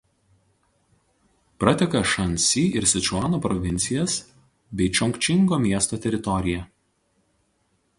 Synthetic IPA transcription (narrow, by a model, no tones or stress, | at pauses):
pɾɐt̪ʲɛkɐʃɐnʲˑsʲiːɪɾsʲɪt͡ʃʊɑːnopɾɔʋʲɪnʲt̪sʲɪjɛs | bʲɛɪt͡ʃʲɔŋʲkt͡ʃʲɪŋɡoːmʲiɛst̪oːt̪ʲɛɾʲɪt̪ɔɾʲɪjɛ